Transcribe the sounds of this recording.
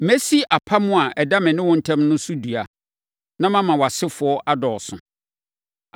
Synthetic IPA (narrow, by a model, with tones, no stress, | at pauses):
mæ˦si˦ʔa˨pʰa˦mʊ̃˦a˨ʔɛ˨da˦mɪ̃˨nɪ̃˦wʊ̃˦n̩˦tʰã˦mnʊ̃˦sʊ˦du˨a˨ | nã˦mã˦mã˨wa˨sɪ˦fʊ˨ɔ˦ʔa˦dɔː˨sʊ̰̃˨